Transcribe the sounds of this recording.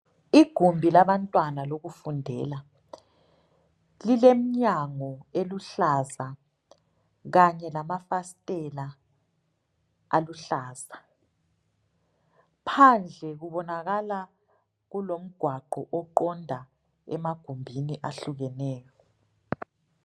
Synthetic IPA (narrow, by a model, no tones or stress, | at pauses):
iɡ̥ʱumbʱilaβantʼwanaloɣufundʱɛla | lilem̩ɲaŋɔeluɬaza | ɣaɲɛlamafastʼɛla | aluɬaːz̥a | pʰand͡ɮʱɛɣuβɔnaɣala | ɣulom̩ɡ̥ʱwaɡ͡ǃʱɔ̰ʔɔǃɔndʱa | ɛ̰maɡ̥ʱumbʱiniʔaɬuɣɛnɛːjɔ